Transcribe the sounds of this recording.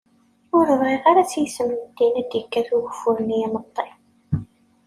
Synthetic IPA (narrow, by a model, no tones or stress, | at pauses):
ʊɾəvʁiʁaɾæt͡sːjəsəmnəd̪inæd̪jəkːæθʊɣəfʊɾənijænət̪ˤːe